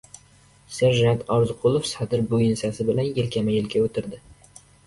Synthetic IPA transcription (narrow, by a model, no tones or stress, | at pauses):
saɾʒant̪ʰɒɾzqʰʊlˠofsad̪ɪɾbojɪnsasɪbɪlanjɪlkʲʰamajɪlkʲʰaot̪ʰɪɾd̪ɪ